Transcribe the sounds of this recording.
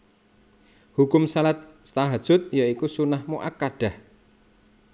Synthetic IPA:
hukʊmsalat̪̚st̪aɦad̥ʒ̥ʊt̪̚jaikusunahmoʔakːaɖ̥a̤h

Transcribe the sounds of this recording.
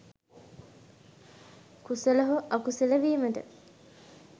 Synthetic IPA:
kusəlɐɦoʔakusiləʋiːmətə̰

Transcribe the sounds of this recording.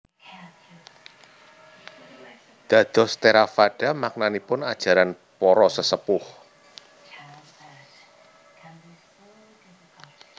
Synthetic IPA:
d̪̥ä̤d̪̥ɔ̤st̪eɾafaɖ̥a̤mak̚nanipʊnad̥ʒ̥a̤ɾan | pɔɾɔsəsəpʊh

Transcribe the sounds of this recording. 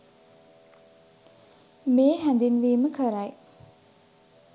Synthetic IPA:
meːɦæ̃nd̪inʋiːməkʰəɾaj

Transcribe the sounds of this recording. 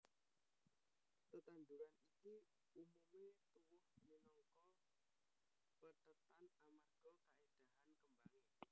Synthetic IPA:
t̪ət̪and̪uɾaniki | umumet̪uwʊhminɔŋkɔ | pət̪ət̪anamarɡ̥ɔkaed̥a̤ɦankəmbaŋɪ

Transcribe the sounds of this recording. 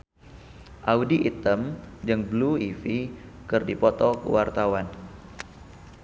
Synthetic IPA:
ʔaudiʔit̪əmd͡ʒɨŋbluifikɨrdipɔt̪ɔkə̰wart̪awan

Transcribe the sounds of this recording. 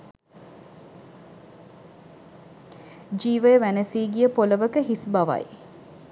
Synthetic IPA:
d͡ʒiːʋəjəʋænəsiːɡijəpoləʋəkəɦisbaʋa̰j

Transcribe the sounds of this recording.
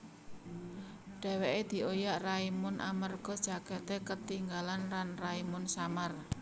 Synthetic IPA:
ɖ̥ɛ̤weʔed̪̥i̤ʔojaʔraimʊnʔa̰mərɡ̥ɔ̤d̥ʒ̥a̤ɡ̥ɛt̪ekət̪iŋɡalanlanraimʊnsamar

